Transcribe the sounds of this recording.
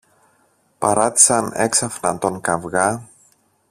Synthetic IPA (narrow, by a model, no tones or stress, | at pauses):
pɐɾɐt̪i̥sɐne̞ksɐfnɐt̪o̞ŋkɐvɣɐ